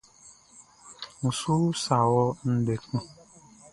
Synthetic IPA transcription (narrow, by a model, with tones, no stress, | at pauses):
u˨su˦sa˨wɔ˦n̩˦de˨ku˦